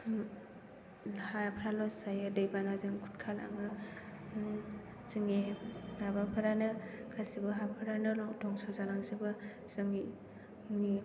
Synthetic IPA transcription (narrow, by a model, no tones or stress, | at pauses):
hapʰɾalɔsajɯdɯjbanazɯŋkʰu̥tkʰala̰ŋɯ | zɯŋenabapʰaɾanɯkʰasibɯɦapʰaɾanɯlɔdɔŋsɔzanaŋsibɯ | z̥ɯŋ | ŋi